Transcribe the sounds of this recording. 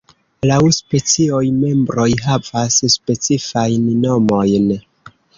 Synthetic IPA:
lawspe̞t͡sio̞jme̞mbɾo̞jɦavasspe̞t͡sifajnno̞mo̞jn

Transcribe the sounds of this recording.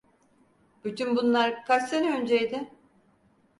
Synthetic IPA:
b̥yt̪ʰynbunlˠaɾkʰasseniønd͡ʒejd̪ɪ

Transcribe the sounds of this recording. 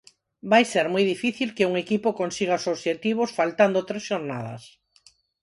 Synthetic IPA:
bajseɾmojðifiθilkeuŋekipokonsiɣ̞aosoβʃet̪iβ̞osfalt̪and̪ot̪ɾesʃoɾna̰ð̞ɐ̰s

